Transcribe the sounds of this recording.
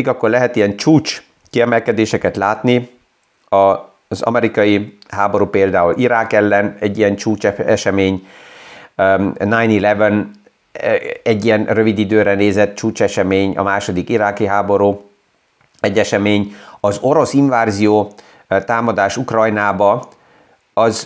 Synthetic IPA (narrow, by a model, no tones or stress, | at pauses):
ikɒkːorlɛɦɛt̪ijɛnt͡ʃuːt͡ʃ | kiɛmɛlkɛd̪eːʃɛkɛt̪laːt̪ni | ɒ | zɒ̰mɛɾikɒjiɦaːbo̞ɾuːpeːld̪aːulʔiɾaːkɛlːɛnɛɟːijɛnt͡ʃuːt͡ʃɛɛʃɛmeːɲ | najnilɛvɛn | ɛɟːijɛnrø̞vid̪id̪øːɾɛneːzɛt̪t͡ʃuːt͡ʃɛʃɛmeːɲɒ̰maːʃo̞d̪ikiɾaːkiɦaːbo̞ɾuː | ɛɟːɛʃɛmeːɲɒzo̞ɾo̞siɱvaːzijoː | t̪aːmɒd̪aːʃukrɒjnaːbɒ | ɒz